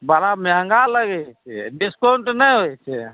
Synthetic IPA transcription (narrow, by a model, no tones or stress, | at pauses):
baɾameɦəŋɡaləɡɛt͡ʃʰɛ̰ɖiskoɳʈnəjɦojt͡ʃʰɛ